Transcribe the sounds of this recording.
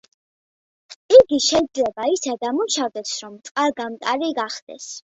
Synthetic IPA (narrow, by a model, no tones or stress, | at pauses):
iɡiʃɛjd̪zlɛbaisɛd̪amuʃavd̪ɛsɾɔmt̪sʼqʼaɾɡamt̪ʼaɾiɡaχd̪̥ɛ̰s